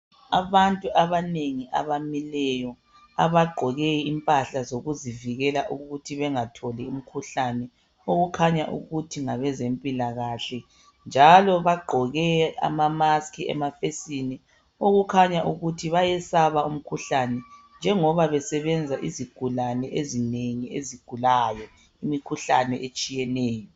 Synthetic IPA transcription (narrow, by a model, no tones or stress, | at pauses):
aβantʼuʔaβaneŋiʔa̰βamilɛjɔ | aβaɡ͡ǃʱɔɣɛimpʼaɬazoɣuziviɣɛlaʔuɣutʰiβɛŋatʰɔlium̩kʰuɬanɛ | oɣukʰaɲaʔṵɣutʰiŋaβɛzempʼilaɣaɬɛ | nd͡ʒʱalɔβaɡ͡ǃʱɔɣɛa̰mamaskʰiɛ̰mafesinɛ | oɣukʰaɲaʔuɣutʰiβajɛsaβaum̩kʰuɬanɛnd͡ʒʱɛŋɔβaβɛsɛβɛnd͡zʱaʔiziɡ̥ʱulanɛʔezineŋiḛziɡ̥ʱulajɔ | imikʰuɬanɛʔet͡ʃʼijɛnɛːjɔ